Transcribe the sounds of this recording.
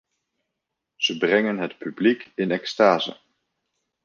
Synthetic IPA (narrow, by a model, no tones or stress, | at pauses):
z̥əbrɛŋənɦətpyblikɪnɛkstaːzə̰